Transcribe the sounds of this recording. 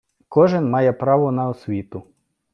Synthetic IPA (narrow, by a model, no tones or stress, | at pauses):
kɔʒɪnmɑjɛpɾɑʋɔnɐɔsʲʋʲit̪ʊ